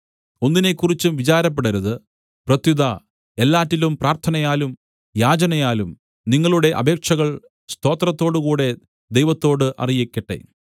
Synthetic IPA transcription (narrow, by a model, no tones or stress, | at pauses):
o̞nːine̞kːurit͡ɕːuʋit͡ɕaːɾɐp̬ːeɽɐɾɐðɨ | prɐt̪juðɐ | e̞lːaːtːilumpraːrt̪ʰɐnɐjaːlum | jaːd͡ʑɐnɐjaːlum | niŋːɐɭuɽe̞ʔɐ̰bʱe̞ːkʂɐɣɐɭ | st̪o̞ːt̪rɐt̪ːo̞ːɽukuːɽe̞ | d̪e̞jʋɐt̪ːo̞ːɽɨʔɐ̰rijekʲːɐʈːe̞̰